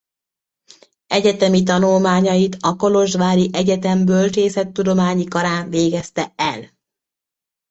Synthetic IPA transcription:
ɛɟɛt̪ɛmit̪ɒnulmaːɲɒjit̪ɒko̞lo̞ʒʋaːɾiʔɛɟɛt̪ɛmbølt͡ʃeːsɛt̪ːud̪o̞maːɲikɒɾaːnveːɡɛst̪ɛɛl

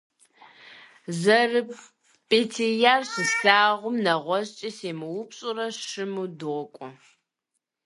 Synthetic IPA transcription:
zɐrɨ | pʼetʰejaːrɕɨstaːʁʷʊmnɐʁʷɔzt͡ʃʼiseːmɨwʊpɕʼʊrɐʃɨmuːdɨʁɔkʷʼɔ

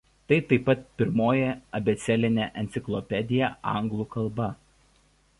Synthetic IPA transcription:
t̪ɐɪt̪ɐɪpːɐt̪̚pʲɪɾmoːjɛɐbʲɛt̪sʲɛlʲɪnʲɛʔɛnt̪sʲɪklˠɔpʲɛd̪ʲɪjɛɐ̰ˑŋɡlˠuːkɐlˠbɐ

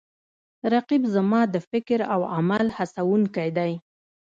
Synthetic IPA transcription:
ɾaqibzamɑd̪əfɪkɾawamalhasawuŋkajd̪aj

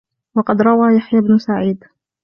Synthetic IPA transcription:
wɑqɑd̪ɾˤɑwaːjaħjabnʊsaʕiːd̪

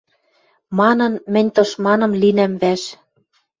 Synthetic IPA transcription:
mɑnɤ̆nmɘ̆nʲt̪ɤ̆ʃmɑnɤ̆mlinæmβæʃ

